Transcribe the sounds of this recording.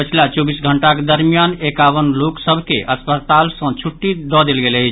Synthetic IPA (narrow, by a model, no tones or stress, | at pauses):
pət͡ʃʰilat͡ʃobisɡʱəɳʈaked̪əɾmijanekawənloksəbʱkeʔəspət̪alsə̃t͡ʃʰuʈːid̪ɔd̪elɡeləɪt͡ʃʰ